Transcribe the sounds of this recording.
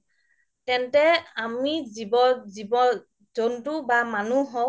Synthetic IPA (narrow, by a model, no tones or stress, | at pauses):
tɛntɛamizibɔzibɔ | zɔntubamanuɦɔ